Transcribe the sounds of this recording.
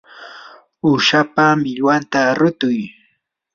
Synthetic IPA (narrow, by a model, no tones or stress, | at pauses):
ʊʃapamɪʎwant̪aɾʊt̪ʊj